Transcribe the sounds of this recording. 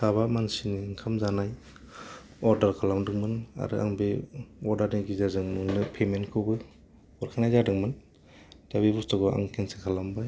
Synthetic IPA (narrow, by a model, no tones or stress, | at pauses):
saβamansiniŋkʰamzanaj | ɔɾdaɾkʰalamdɯŋmɯna̰ɾɯ̰ʔa̰ŋbeɔɾdaɾniɡizazɯŋnɯŋnɯpʰemenkʰɯwbɯ | ɔɾkʰajnajzadɯŋmɯn | dabibustɔɡɔa̰ŋkʰensekʰalambaj